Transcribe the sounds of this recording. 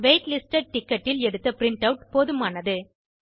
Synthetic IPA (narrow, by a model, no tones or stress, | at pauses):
ʋeɪʈlɪsʈɐɖ̚ʈɪkːɐʈːɪlɛɽɯt̪ːɐpɪɾɪɳʈɐʊʈpɔːðɯmaːnɐðɯ